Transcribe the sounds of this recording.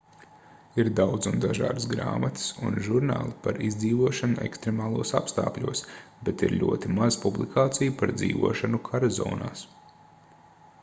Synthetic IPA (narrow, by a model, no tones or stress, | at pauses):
iɾd̪awd̪zund̪aʒa̰ːd̪sɡɾa̰ːmat̪sṵnʒuɾna̰ːlˠipaɾizd̪ziːʋuɔʃanuʔɛ̰kst̪ɾemaːlˠuɔsapst̪a̰ːklʲuɔsbet̪iɾʎʲṵɔt̪imazpublˠikʰaːt̪sijupaɾd̪zḭːʋṵɔʃanukʰaɾazɔ̰ːna̰ːs